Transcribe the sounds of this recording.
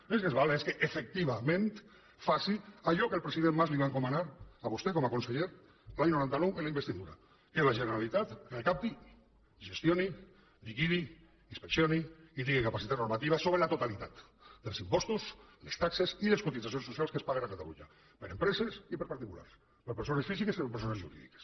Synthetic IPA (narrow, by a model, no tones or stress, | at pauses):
eskezβaleskeʔefek̚t̪iβamẽnt̪ | fasiaʎɔkelpɾesiðemːazliβaŋkomanaɾaβost̪ekomakonseʎeɾ | laɲnoɾant̪anowenlaimbest̪iðuɾa̰ | kelaʒeneɾalit̪at̪kelkap̚t̪i | ʒest̪joni | likiðiː | nspeksjoniit̪̬iŋɡikapasit̪at̪noɾmat̪iβ̞asoβ̞ɾelat̪ot̪alit̪at̪ | d̪elsimpɔst̪uslest̪aksesileskot̪isasjonsusjalˠskespalenakat̪alṵɲa̰ | peɾempɾesesipeɾpaɾt̪ikula̰ɾs | peɾpeɾsonesfisikesipeɾpeɾsonezʒṵɾḭðḭke̥s